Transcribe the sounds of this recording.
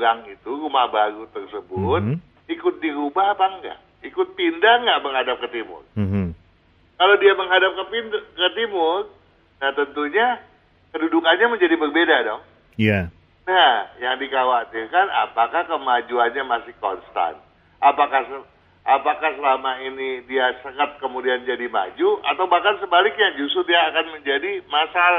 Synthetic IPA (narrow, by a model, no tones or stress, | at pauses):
ɾaŋit̪uɾumahbaɾut̪ərsəbʊt̪̚ | ikʊt̪̚diɾubapaŋɡa̰ʔ | ikʊt̪̚pindaŋɡaʔməŋɦadap̚kət̪imʊ̰r̩ | kalodiaməŋɦadap̚kəpinkət̪imʊr | naht̪ənt̪uɲa | kədudukanɲaməɲd͡ʒadibərbedadɔh | ja | nahjaŋdikawat̪irkana̰pakahkəmad͡ʒuanɲamasɪhkɔ̰nst̪a̰nt̪̚ | ʔapakahsə | apakahsəlamainidiasəŋət̪̚kəmudiand͡ʒadima̰d͡ʒua̰t̪awbahkansəbalɪk̚ɲad͡ʒusʊrdiaːkanməɲd͡ʒadimasala